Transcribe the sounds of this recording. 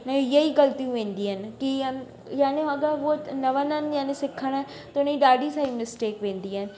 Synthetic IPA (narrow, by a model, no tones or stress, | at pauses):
mẽjɐiɡɐlt̪ijũʋẽːnd̪iːɦənɪ̆ki | jaːneɐɡəʋonɐʋənənjaːnĩsɪkʰəɽ̃ə | t̪ʊnĩɗaːɖisaːĩnɪsʈeːkʋẽːnd̪iɦənɪ̆